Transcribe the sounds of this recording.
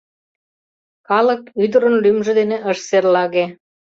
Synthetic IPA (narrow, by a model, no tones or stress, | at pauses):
kɑlə̆kyd̪ə̆ɾə̆nlymʒĕd̪eneʔəʃserlɑɣe